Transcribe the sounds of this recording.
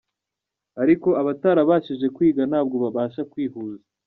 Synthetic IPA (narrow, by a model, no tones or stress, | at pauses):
aɾiko̞aβataɾaβaːʃiʒe̞kwiːɡanaːb̚ɡo̞βaβaːʃakwiːhuːza